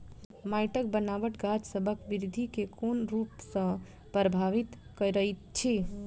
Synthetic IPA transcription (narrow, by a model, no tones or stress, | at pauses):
majʈək̚bənaʋəʈɡad͡ʒsəbʱəkʋiɾd̪ʱikekonɾupsə̃ | pɾəbʱaʋit̪kəjɾəit̪t͡ʃʰi